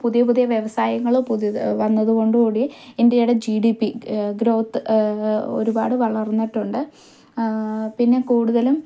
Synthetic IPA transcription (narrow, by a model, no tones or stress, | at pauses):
puðijɐpuðijɐʋjeʋɐsaːjɐŋːɐɭopuðiʋɐnːɐðuɣo̞ɳɖukuːɽiendejuɽed͡ʑiɖipːiɡɾo̞ːt̪ːɨ | o̞̰ɾuba̰ːɽɨʋɐɭɐrnːiʈːuɳɖɨ | pinːe̞kuːɽuðɐlum